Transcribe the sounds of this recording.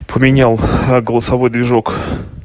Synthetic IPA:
pʰəmʲɪnʲalˠɡəlˠəsɐvojd̪vʲɪʐok

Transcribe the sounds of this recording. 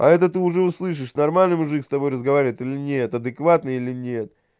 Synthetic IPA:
ɐ̰ɛt̪ət̪ɨʊʐɛʊslˠɨʂ̬ɨʂnɐrmalʲnɨjmʊʐɨkst̪ɐbo̞jrəzɡɐvaɾʲɪvʲɪt̪ilʲɪnʲe̞t̪ɐd̪ɨkvat̪nɨilʲɪnʲet̪̚

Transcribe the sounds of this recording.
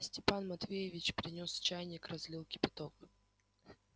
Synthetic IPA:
sʲtʲɪpanmɐt̪vʲejɪvʲɪt͡ɕpʲɾʲɪnʲo̞st͡ɕajnʲɪkrɐzʲlʲilˠkʲɪ̥pʲɪt̪okɨ

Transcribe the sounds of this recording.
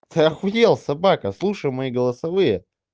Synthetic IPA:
t̪ɨaxʊjʲelˠsɐbakəslˠuʂəjmɐiɡəlˠəsɐvɨjə

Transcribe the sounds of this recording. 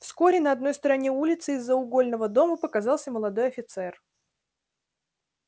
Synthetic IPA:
fsko̞ɾʲɪnəɐd̪no̞jst̪əɾɐnʲeulʲɪt̪sɨɪzːəʊɡo̞lʲnəvəd̪o̞məpəkɐzɑlˠsʲəməlˠɐd̪o̞jɐfʲɪt̪sɛr

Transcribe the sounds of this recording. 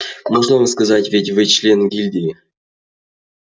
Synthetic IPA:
moʐnəvɨskɐzatʲvʲetʲvɨt͡ɕlʲenɡʲilʲdʲi

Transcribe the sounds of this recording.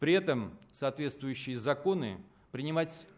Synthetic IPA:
pɾʲɪɛt̪əmsɐːt̪vʲe̞t̪st̪vʊjʉɕːɪjəzɐko̞nɨ̰ | pɾʲɪnʲɪmatʲ

